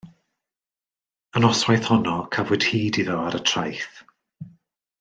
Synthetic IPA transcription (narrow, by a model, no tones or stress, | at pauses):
ənɔswajθhɔnɔkʰəvʊd̥hiːdiðɔaɾətʰrajθ